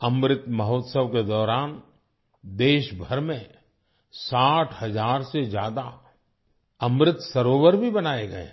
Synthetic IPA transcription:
ɐmɾɪt̪mɐɦɔːt̪səʋked̪ɔːɾaːn | d̪eːʃbʱɐɾmẽ | saːʈʰhɐzaːɾsed͡ʒjaːd̪a | ɐmɾɪt̪sɐɾoːʋəɾbʱibɐnaːeɡɐḛ

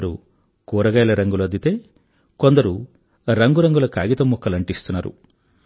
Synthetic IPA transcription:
ɾṵ | kuːɾɐɡɐjlɐɾɐŋɡulɐd̪it̪e̞ː | ko̞nd̪ɐɾu | ɾɐŋɡuɾɐŋɡulɐkaːɡit̪ɐmːukːɐlɐɳʈist̪unːaːɾṵ

